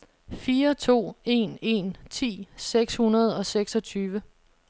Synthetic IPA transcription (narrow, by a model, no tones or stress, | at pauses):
fiːɐt͡sʰo̝̰ːe̝ne̝nt͡sʰḭːseɡ̥shunɐð̞̩ˠɒ̽seɡ̥sɒ̽t͡sʰyːʋə